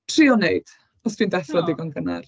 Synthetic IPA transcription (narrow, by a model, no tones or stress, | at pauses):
tʰriːɔneɨd̥ | ɔstʰwiːndɛɬrɔdiɡɔnɡəna̰r